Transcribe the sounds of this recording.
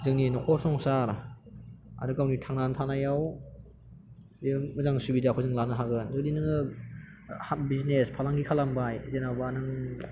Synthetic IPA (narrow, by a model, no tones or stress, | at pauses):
zɯŋninɔkʰɔsɔŋsaɾ | a̰dɯkawnitʰaŋnantʰanajaw | zimɯzaŋsubidakʰɯzɯŋlanaɦaɡɯndudinɯŋɯ | habiznespʰalaŋɡikʰalambajzenawbanɯŋ